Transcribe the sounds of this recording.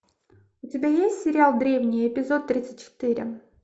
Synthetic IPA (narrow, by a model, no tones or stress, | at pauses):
ʊtʲɪbʲajesʲtʲsʲɪɾʲɪalˠd̪ɾʲe̞vnʲɪjɪpʲɪzo̞t̪ːɾʲit̪sə̥t̚ʲt͡ɕɪ̥t̪ɨɾʲɪ̰